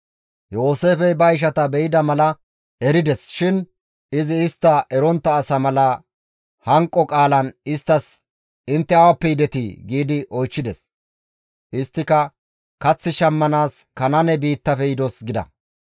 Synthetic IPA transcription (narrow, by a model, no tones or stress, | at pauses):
jo̞ːse̞ːfɛjbɐjɪʃ̬ɐt̪ɐbɛjɪd̪ɐmɐlɐ | ɛɾɪd̪ɛsʃɪn | ɪzɪːst̪ːɐʔɛɾɔnt̪ːɐːsɐmɐlɐ | hɐŋkʼːɔkʼaːlɐnɪst̪ːɐs | ɪnt̪ːɛɐwɐpːɛjd̪ɛt̪ɪ̰ɡiːd̪ɪʔɔjt͡ʃːɪd̪ɛs | ʔɪst̪ːɪkɐ | kɐt͡sːɪʃɐmːɐnaːskɐnɐnɛbiːt̪ːɐfɛjɪd̪ɔsɡɪd̪ɐ̰